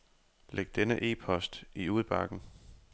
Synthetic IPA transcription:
leɡ̥̚d̥enəʔe̝̰ːpʰɒ̽sd̥iuːð̩ˠb̥ɑ̈ɡ̥n̩

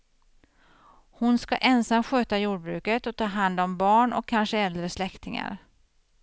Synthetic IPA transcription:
hʊnskaʔɛnsamːɧøːt̪ajuːɖbɾʉ̟̰ːkət̪ɔt̪ʰɑːɦand̪ɔmbɑːɳɔ̰kʰːanʂəɛld̪ɾəslɛkt̪ɪŋa̰ɾ

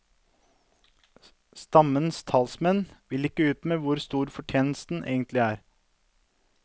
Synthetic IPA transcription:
st̪ɑmənst̪ʰɑlsmɛnʋɪlɪkːəʉːt̪meːʋʊɾst̪uːɾfɔʈʰjeːnəl̩sd̪n̩ʔḛːɡənt̪lɪæːɾ

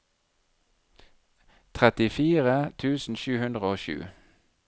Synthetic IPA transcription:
t̪ʰʁɛt̪ɪfiːʁət̪ʰʉːsn̩ʃʉːhʉnd̪ʁəoːʃʉ̰ː

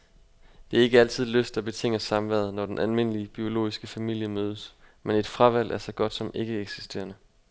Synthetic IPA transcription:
d̥e̝æɐe̝ɡ̥əæl̰t͡sʰið̞̰ˠløsd̥æb̥e̝t͡sʰe̝ŋ̰əsɑ̈mʋæɐð̞ˠnɒd̥enʔælme̝n̰əliəb̥io̝lo̝̰ːisɡ̥əfæmil̰jəmøːð̞ˠəsmene̝d̥fʁɑ̈ʋæl̰ʔæɐsɒ̽ɡ̥ɒ̽d̥sɒ̽me̝ɡ̥əeɡ̥si̥sd̥e̝̰ːɐnə

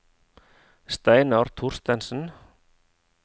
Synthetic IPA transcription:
st̪eːjnawɾ̥t̪ʰur̥st̪ɛnsʏn

